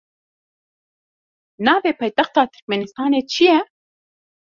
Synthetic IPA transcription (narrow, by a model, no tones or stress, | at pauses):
nɑːveːpʰɑːjt̪ɛxt̪ɑːt̪ʰɨ̥ɾk̚mɛnist̪ɑːneːt͡ʃʰijɛ